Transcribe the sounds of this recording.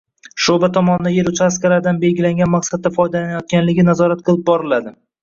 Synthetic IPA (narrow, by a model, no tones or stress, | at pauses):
ʃobat̪ʰɒmɒnɪd̪aje̞ɾʊt͡ʃʰaskʲalaɾd̪anbe̞lɡʲɪlaŋɡʲanmaqsad̪̚ːafɒjd̪alanajɒt̪̚kʲanlɪɡʲɪnazɒɾat̪̚qʰɨlˠɪp̚bɒɾɪlad̪ɪ